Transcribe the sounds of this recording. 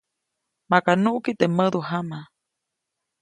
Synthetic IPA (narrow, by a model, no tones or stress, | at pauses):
makanũʔkit̪eməðuɦama